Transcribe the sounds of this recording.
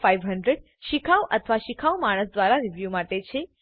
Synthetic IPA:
fajʋɦəɳɖɾeɖ | ʃikʰaʋʔət̪ʰəʋaʃikʰaʋmaɽ̃əsd̪ʋaɾaɾiʋjumaʈet͡ʃʰe

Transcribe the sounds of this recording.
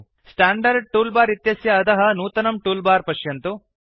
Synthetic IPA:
sʈaːɳɖɐɾɖ̚ʈuːlbaːɾit̪jɐsjɐːd̪ɐɦɐ̆nuːt̪ɐnɐmʈuːlbaːɾpɐʃjɐnt̪u

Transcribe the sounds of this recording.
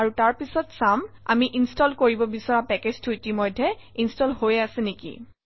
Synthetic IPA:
aɹutaɹpisɔtsama̰miʔinstɔlkoɹibɔbisɔɹapɛked͡ʑtʰuitimɔjdʱːɛinstɔlhojasɛnekḭ

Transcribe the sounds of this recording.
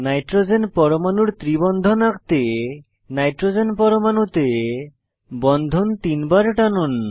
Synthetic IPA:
najʈɾod͡ʒenpɔɾomanuɾt̪ɾibɔnd̪ʱonakt̪e | najʈɾozenpɔɾomanut̪e | bɔnd̪ʱont̪inbaɾʈanun

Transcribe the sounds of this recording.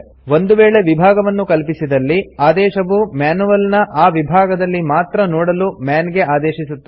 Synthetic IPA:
ʋo̞nd̪uʋeːɭe̞ʋibʱaːɡɐʋɐnːukɐlpisid̪ɐlːiaːd̪ɛːʃɐʋumaːnuʋɐlnɐʔaːʋibʱaːɡɐd̪ɐlːimaːt̪ɾɐnɔːɽɐlumjaːnɡe̞ʔaːd̪ɛːʃisut̪ːu̥

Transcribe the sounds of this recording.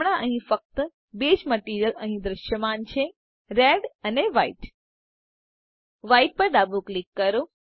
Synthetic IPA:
ɳ̃ãʔəɦĩfək̚t̪ə | bed͡ʒməʈiɾjələɦĩd̪ɾəʃjəmant͡ʃʰe | ɾeɖəneʋaiʈ | ʋaiʈ̚pəɾd̪abuklikːəɾo

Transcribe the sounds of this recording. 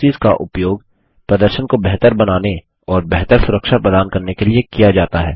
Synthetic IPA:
iːska̰ʔʊpjoːɡ | pɾɐd̪əɾʃənkobɛɦt̪əɾbɐnaːne | ɔːɾbɛɦt̪əɾsʊɾəkʃapɛd̪aːnkɐɾnekeliekijad͡ʒaːt̪aɦɛ̰ː

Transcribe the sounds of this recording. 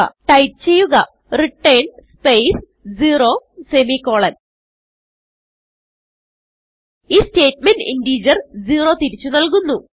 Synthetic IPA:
ɐ̰ʈɐjʈ̚t͡ɕe̞jːuɣɐ | riʈːejɳspejs | d͡ʑiːro̞ːsemikːo̞ːɭɐn | iːste̞ːt̚menɖḭndiːd͡ʑɐrd͡ʑiːro̞ːt̪iɾit͡ɕːunɐlkunːu

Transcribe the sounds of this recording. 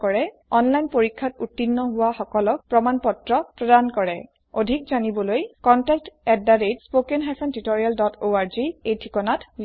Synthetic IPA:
kɔɹɛ | ɔnlajnpoɹikʰːatutːinːɔɦʊwaxɔkɔlɔk̚pɹɔmanpɔtɹɔpɹɔdankɔɹɛ | odʱik̚zanibɔlojkɔntɛk̚tɛdːaɹetspokɛnɦasʰɛntitɔɹialdɔtʰoaɹziejtʰikɔnat

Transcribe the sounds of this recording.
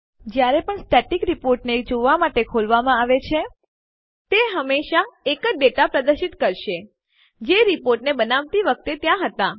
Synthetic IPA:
d͡ʒjaɾepəɳsʈɛʈikɾipoɾʈned͡ʒoʋamaʈekʰolʋamãaʋet͡ʃʰe | t̪eɦəmːeʃaekəɖeʈapɾəd̪əɾʃit̪kəɾʃe | d͡ʒeɾipoɾʈnebənaʋt̪iʋək̚t̪et̪jãɦət̪a

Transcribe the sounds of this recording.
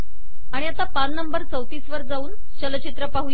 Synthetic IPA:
aɽ̃iat̪apaɾnəmbəɾt͡səwt̪iːsʋəɾd͡zauːn | t͡ɕələt͡ɕit̪ɾəpaɦu

